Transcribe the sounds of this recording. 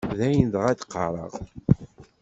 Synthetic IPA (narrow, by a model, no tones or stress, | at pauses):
ðæjənd̪ʁæd̪qːɑɾˤə̰ʁ